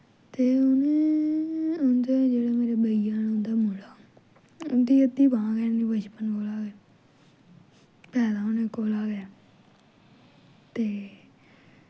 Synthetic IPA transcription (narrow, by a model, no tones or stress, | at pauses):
t̪eːʊneː | ʊnd̪eːd͡ʒeːɽeːmeːɾeːbəijãːnːʊ̃nd̪aːmʊlaː | ʊnd̪iːət̪ːiːbãːɡɛːnĩːbət͡ʃpənkoːlaːɡɛː | pɛːd̪aːʊnẽːkoːlaːɡe | t̪eː